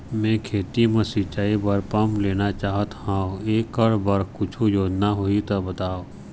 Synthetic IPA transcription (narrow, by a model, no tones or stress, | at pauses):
mẽːkʰeːt̪imɐ̃sɪt͡ʃaːibɐɾpɐmleːnat͡ʃaːɦət̪hãoeːkəɽbɐɾkʊt͡ʃʰojoːd͡ʒnaɦoːit̪ɐbət̪aːoː